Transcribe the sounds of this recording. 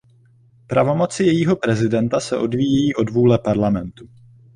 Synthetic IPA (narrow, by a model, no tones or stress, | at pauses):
pɾavo̞mo̞t͡sɪjɛjiːɦo̞pɾɛzɪdɛnt̪asɛʔo̞dviːjɛjiːʔo̞dvuːlɛpaɾlamɛnt̪u